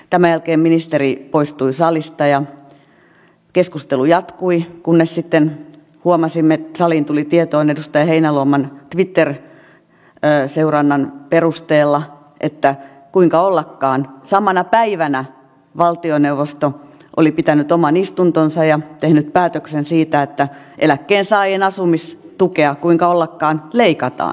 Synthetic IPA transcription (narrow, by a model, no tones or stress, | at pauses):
t̪æmæjælkeːmminist̪eripoist̪uisɑlist̪ɑjɑ | keskust̪elujɑt̪kuikunːessit̪ːen | huomɑsimːet̪sɑliːnt̪ulit̪iet̪oːnedust̪ɑjɑheinæluomɑnt̪ʋit̪ːer | seurɑnːɑnperust̪eːlːɑ | ʔet̪ːæ | kuiŋkɑolːɑkːɑːnsɑmɑnɑpæiʋænæ | ʋɑlt̪ioneuʋost̪o | ʔo̰lipit̪ænyt̪omɑnist̪unt̪onsɑjɑt̪ehnyt̪̚pæːt̪øksensiːt̪æet̪ːæʔḛlækːeːnsɑienɑsumis | t̪ukeɑkuiŋkɑolːɑkːɑːnleikɑt̪ɑ̰ːn